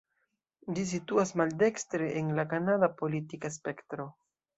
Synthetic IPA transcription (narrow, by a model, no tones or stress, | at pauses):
d͡ʒis̬ituasmalde̞kstɾeʔenlakanadapo̞litikaspe̞ktɾo̞